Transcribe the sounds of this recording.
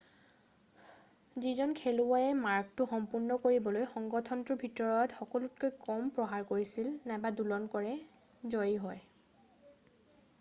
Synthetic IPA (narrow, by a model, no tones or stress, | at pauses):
zizɔnkʰɛluaɛmaɹk̚tʊxɔmpunːɔkoɹibɔlojxɔŋɡɔtʰɔntʊbʱitɔɹɔtxɔkɔlut̚kojkɔmpɹɔɦaɹkoɹisilnajbadulɔnkɔɹɛ | zɔjiɦɔj